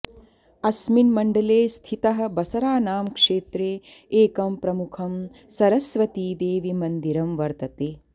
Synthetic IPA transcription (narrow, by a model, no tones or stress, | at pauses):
ɐsminmɐɳɖɐleːst̪ʰit̪ɐɦɐ̆bɐsɐɾaːnaːmkʂeːt̪ɾeːeːkɐmpɾɐmukʰɐm | sɐɾɐsʋɐt̪iːd̪eːʋimɐnd̪iɾɐmʋɐɾt̪ɐt̪eː